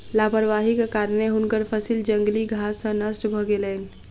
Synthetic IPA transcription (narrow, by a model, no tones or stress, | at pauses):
lapəɾʋaɦikekaɾneɦunkəɾpʰəsild͡ʒəŋɡliɡʱasːə̃nəsʈbʱɔɡelən